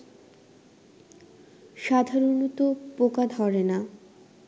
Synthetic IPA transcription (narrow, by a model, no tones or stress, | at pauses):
ʃad̪ʱaɾonut̪opokad̪ʱɔɾena